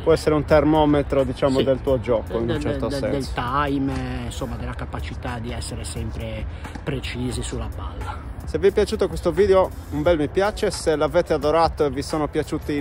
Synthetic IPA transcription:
pwɔɛsːɛɾeunt̪ermɔːmet̪ɾod̪it͡ʃaːmod̪elt̪uːod͡ʒɔːkoinunnt͡ʃɛɾt̪osɛd̪ɛlst̪ajminsɔmːad̪ɛlːakapat͡ʃit̪ad̪iɛsːeɾesɛmpɾe | pɾet͡ʃiːzisulːapa̰lːaseviɛpjat͡ʃuːt̪okwest̪oviːðeoumbɛlmipjaːt͡ʃɛselavɛːt̪ead̪oɾaːt̪oɛvisɔːnopjat͡ʃuːt̪i

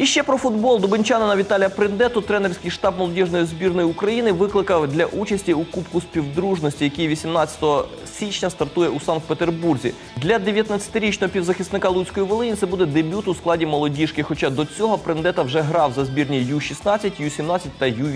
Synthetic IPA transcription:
iʃt͡ʃɛpɾɔfʊd̪bɔlˠd̪ʊbɪnʲt͡ʃɑnɐnɐʋʲit̪ɑlʲijɐpɾɪnd̪ɛt̪ʊt̪ɾɛnerʲsʲkɪjʃt̪ɑb̚mɔlˠɔdʲiʒnɔjizʲbʲirnɔjiukɾɐjinɪʋɪklˠɪkɐwd̪lʲɐʔut͡ʃɐsʲtʲiʊkupkʊsʲpʲiwd̪ɾuʒnɔsʲtʲijɐkʲijʋʲisʲimnɑt͡sʲɐ̥t̪ɔɦɔ | sʲit͡ʃnʲɐst̪ɐrt̪ujɛusɑnk̚pet̪erburzʲḭ | d̪lʲɐd̪eʋʲjɐt̪nɐt͡sʲɐ̥t̪ɪɾʲit͡ʃnɔɦɔpʲiwzɐxʲisnɪkɑlˠut͡sʲsʲkɔjiʋɪlˠɪnʲit̪sɛbud̪ɛd̪ebʲut̪ʊusklˠɑdʲimɔlˠɔdʲiʃkɪxɔt͡ʃɑd̪ɔt͡sʲɔɦɔpɾend̪ɛt̪ɐwʒɛɦɾɑwzɐzʲbʲirnʲijuʃisnɑt͡sʲːɐtʲjusʲimnɑt͡sʲɐt̚ʲt̪ːɐjuʋʲ

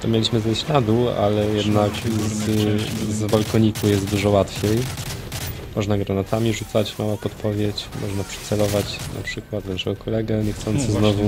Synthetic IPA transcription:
t̪ɔmʲjelʲiɕmɘzɛɕlad̪ua̰lɛjɛd̪nakzzbalkɔɲikujɛst̪d̪uʐɔwat̪fʲjej | mɔʐnaɡɾanat̪amʲiʐut̪sat͡ɕmawapɔt̪pɔvʲjet͡ɕmʔɔʐnapʂɛ̥t̪sɛlɔvat͡ɕna̰pʂɘkwat̪naʂɛɡɔkʰɔlɛɡɛɲɛxt̪sɔnt̪t̪sɨznɔvu

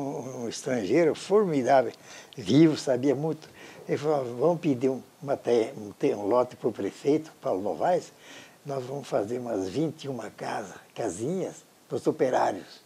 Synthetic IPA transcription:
ũist̪ɾɐ̃ʒejɾʊfoɾmid̪avevivʊsabiɐmũj̃t̪ʊ̥efalavɐ̃mʊpid̪iũmɐt̪ɛũt̪eũlɔt̪ɪ̥pʊɾpɾefejt̪ʊ̥pawlʊno̰vajsnɔzvɐ̃mʊsfazeɾũmɐzvĩnt̪iũmɐkazɐkazĩɲɐs | pʊzopeɾaɾjʊs

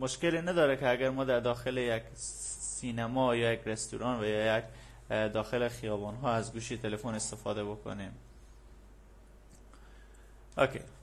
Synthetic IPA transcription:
moʃkeliːnæd̪ɒːɾekʰeæɡæɾmɒːd̪æɾd̪ɒːxelejek | siːnæmɒːjɒːjekʰɾest̪ṵɾɒːnvæjjæk | d̪ɒːxelexijɒːbɒːnɦɒːæzɡuːʃit̪ʰelefone̞st̪efɒːd̪ebo̞kʰo̰niːm | ʔokʰḛ

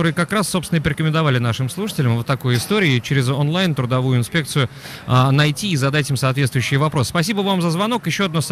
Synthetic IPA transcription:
oɾɨjəkɐkɾasːopst̪vɪnəpɾʲɪkəmʲɪnd̪ɐvalʲɪnaʂɨmslˠuʂɨ̥tʲɪlʲəmvət̪ːɐkojɪst̪o̞ɾʲɪɪt͡ɕɪɾʲɪzonlˠajnt̪ɾʊd̪ɐvujʊɪnspʲe̞k̚t̪sɨjʊ | anɐjtʲiːzɐd̪atʲimsɐːt̪vʲet̪t̪vʊjɕːɪjvɐpɾo̞sspɐsʲibəvamzəzvɐno̞kjɪɕːoɐd̪nos

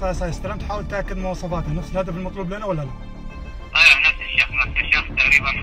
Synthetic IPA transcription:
ɑjsˤɑjɪst̪ɑɾaːmt̪ħaːwəlt̪ʔakːɪd̪mʊwɑːsˤɑfɑːt̪anʊxsˤɨlhad̪afɪlmɑt̪ˤluːblenawalːala | aanat̪aʃafnat̪ːaʃaft̪ːaʔɾiːban

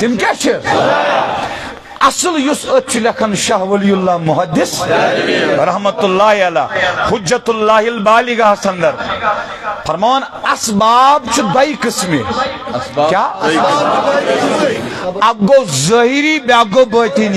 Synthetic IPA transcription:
t̪imkʲat͡ʃʰi | ɐsɨljusət̪̚t͡ʃʰilʲɐkʰɐnʃɐɦwɐlijulːaːmuɦɐd̪ːis | ɾɐɦmɐt̪ulːaːɦiɐla̰ːhud͡ʒːɐt̪ulːaːɦilbaːliɡɐɦsɐnd̪ɐɾ | pʰɐɾmaːɐnɐsbaːbt͡ʃʰid̪ɐjkɨsmḭ | kʲaːɐsaː | ɐɡːowzɐɦiɾiːbʲaːɡobɐːt̪iːn

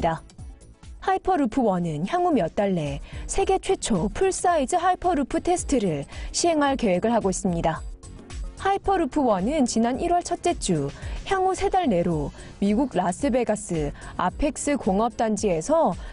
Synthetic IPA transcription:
da | haipʰʌɾupʰɯwʌnɯnçjaŋumjʌt̚t͈aɭːe̞sʰe̞ɡe̞t͡ɕʰwe̞t͡ɕʰopʰuɭs͈aid͡ʑɯɦaipʰʌɾupʰɯtʰe̞sʰɯ̥tʰɯɾɯɭɕʰiɦe̞ŋɦaɭke̞we̞ɡɯɭɦaɡois͈ɯmɲida | haipʰʌɾupʰɯwʌnɯnt͡ɕinaniɾwʌɭt͡ɕʰʌt̚t͡ɕ͈e̞t͡ɕ͈uçjaŋusʰe̞daɭne̞ɾo | miɡuɡ̚las͈ɯbe̞ɡas͈ɯa̰pʰe̞k̚s͈ɯkoŋʌp̚t͈and͡ʑie̞sʰʌ

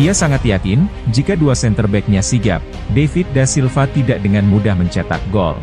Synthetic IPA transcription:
iasaŋat̪jakɪnd͡ʒikaduasɛnt̪ərbɛk̚ɲasiɡa̰p̚ | defɪt̪̚dasilfat̪idak̚dəŋanmudahməɲt͡ʃat̪a̰k̚ɡɔ̰l

